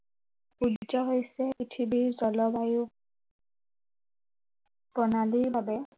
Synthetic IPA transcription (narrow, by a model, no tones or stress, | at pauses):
udd͡ʒɔɦojsɛpitʰibiɹzɔlɔbaju | bɔnaliɹbabɛ